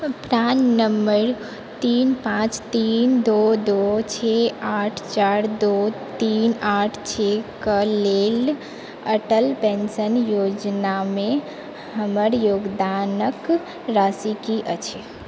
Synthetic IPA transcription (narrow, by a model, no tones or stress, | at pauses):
pɾannəmbəɾ | t̪inpãt͡ʃt̪ind̪od̪ot͡ʃʰeaʈʰt͡ʃaɾd̪o | t̪inaʈʰt͡ʃʰekəlel | əʈəlpensənjod͡ʒname | həməɾjoɡd̪anək | ɾasikiʔət͡ʃʰɛ